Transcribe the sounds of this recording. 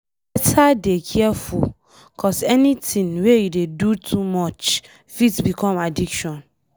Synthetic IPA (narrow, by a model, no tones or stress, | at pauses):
bɛtʰadekʰɛɛfṵl | kʰɔsɛnitĩnwejudedutʰumɔt͡ʃ | fitbikʰɔ̃madikʃɔ̃n